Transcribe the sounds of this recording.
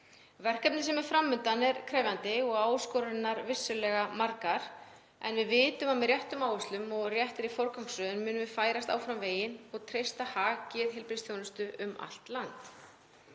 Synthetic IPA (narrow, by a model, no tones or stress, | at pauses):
vɛr̥kɛp̚nɪsɛmɛɾ̥fɾamːʏnt̪anɛɾkʰɾɛːvjant̪ɪɔɣaːwskɔːɾʏnːaɾvɪsːʏlɛɣamaɾkaɾ̥ | ɛ̰nvɪðvɪːt̪ʏmamɪðrjɛht̪ʏmaːwʏst̪lʏmɔɣrjɛht̪ɪɾifoɾkawŋksœːðʏnmʏːnʏmvɪfaːjɾast̪a̰ːwfɾamveːjɪnɔɣt̪ʰɾejst̪ahaːcɪðɦɪlpɾɪsθjownɪst̪ʏʔʏma̰l̥t̪lant̪